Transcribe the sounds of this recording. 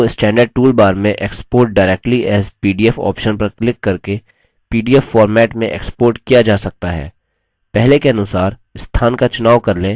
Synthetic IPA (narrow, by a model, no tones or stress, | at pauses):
oɪsʈɛ̃ːɳɖəɾɖ̚ʈuːlbaːɾmẽʔeːkspoːɾʈ̚ɖaːɾɛk̚ʈliɛːzpiːɖiːɛfɔ̰ːpʃənpɐɾklɪkːɐɾke | piːɖiːɛfːɔːɾmɛːʈmẽʔḛːkspoːɾʈkijad͡ʒaːsɐk̚t̪aɦɛ̰ː | pɛɦlekeɐnʊsaːɾ | ɪst̪ʰaːnkat͡ʃʊnaːwkɐɾlẽ